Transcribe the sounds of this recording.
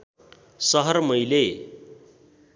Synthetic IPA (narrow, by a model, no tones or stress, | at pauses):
sʌɦʌɾmʌjle